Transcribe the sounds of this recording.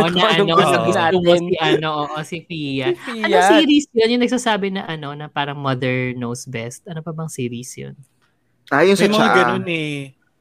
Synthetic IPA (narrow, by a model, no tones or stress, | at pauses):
ʔonɐʔɐnoɐɐɪnamɐiʔɐnoʔoːʔosɪfijɐɐnosiːɾisjonjʊŋnɐɡ̚saːsaːbɪnɐʔɐno̞nɐpaːɾɐŋmɐd̪ɛɹnowsbɛst̪̚ʔɐnopɐbɐŋsiːɾisjo̰n | aːjosɐt͡ʃɡɐonɛ